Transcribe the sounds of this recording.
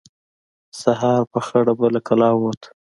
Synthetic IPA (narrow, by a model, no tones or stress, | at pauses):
saɦɑɾpəxəɽabəlakalɑwot̪ʰ